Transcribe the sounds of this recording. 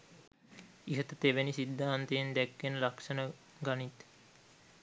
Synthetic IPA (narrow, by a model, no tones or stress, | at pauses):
iɦət̪ət̪eʋenisid̪ʱːaːnt̪ejend̪ækːenəlakʂənə | ɡanit̪